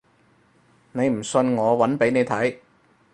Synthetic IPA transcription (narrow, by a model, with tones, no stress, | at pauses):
ne˨˧jm̩˨˩sɵ˧nŋɔː˨˧wɐ˨˥npe˨˥jne˨˧jt̪ʰɐ˨˥j